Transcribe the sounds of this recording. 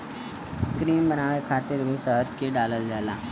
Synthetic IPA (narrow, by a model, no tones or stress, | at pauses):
kɾiːmbənaːʋekʰaːt̪ɪɾbisəɾkeɖaːləld͡ʒaːlãː